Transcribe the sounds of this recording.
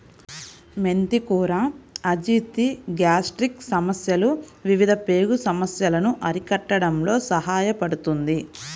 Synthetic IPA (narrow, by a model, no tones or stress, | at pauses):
me̞nt̪ikuːɾaɐd͡ʒiːt̪iɡjaːsʈɾiksɐmɐsjɐluʋiʋid̪ʱɐpe̞ːɡusɐmɐsjɐlɐnuʔɐɾikɐʈːɐɽɐmlo̞ːsɐɦaːjɐpɐɽut̪und̪i